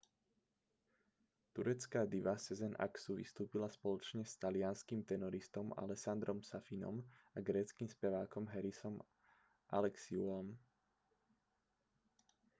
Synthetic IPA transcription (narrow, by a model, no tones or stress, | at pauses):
t̪uɾɛt͡skaːd̪iʋasɛzɛnʔa̰ksuʋḭst̪uːpilaspɔlɔt͡ʃɲɛst̪alɪaːnskimt̪ɛnɔɾist̪ɔma̰lɛsand̪ɾɔmsafinɔ̰maɡɾɛːt͡skiːmspɛʋaːkɔmɦɛɾisɔm | ʔa̰lɛksiulɔm